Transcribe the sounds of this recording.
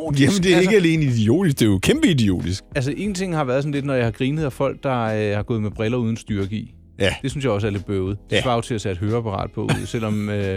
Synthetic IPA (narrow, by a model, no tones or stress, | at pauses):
md̥eæɐe̝ɡ̥əæle̝ːnəid̥io̝̰ːd̥is̬ɡ̥d̥e̝jokʰemb̥əid̥io̝̰ːd̥isɡ̥æls̬əʔe̝ːn̩t͡sʰe̝ŋ̰hɑ̈ʋæɐð̞ˠsɒ̽n̩le̝d̥nɒjɑ̈hɑ̈ɡ̥ʁiːnəð̩ˠæfɒ̽l̰ɡ̥̚d̥ɑ̈hɑ̈ɡ̥ɔ̽ːðˠmeb̥ʁɛlɐuːð̞ˠn̩sd̥yɐɡ̥ḭ | d̥esynsjɑ̈ɪɒ̽s̬æɐle̝d̥̚b̥øʊð̩ˠd̥efɑ̈ʊt͡sʰe̝æsæd̥ɦøːɐpʰɑ̈ʁɑ̰̈ːd̥̚pʰɒ̽uð̰ˠsel̰ɒ̽mø